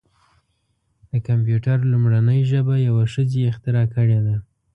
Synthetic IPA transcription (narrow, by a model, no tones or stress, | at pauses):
d̪̥əkamp̬juʈaɾlʊmɽanəjʒəbajawaʃəzeɪxt̪ɪɾɑkəɽed̪a